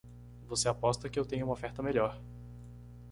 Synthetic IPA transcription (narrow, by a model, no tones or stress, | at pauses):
voseapɔst̪ɐkɪewt̪ẽɲʊũmofɛɾt̪ɐmeʎɔɾ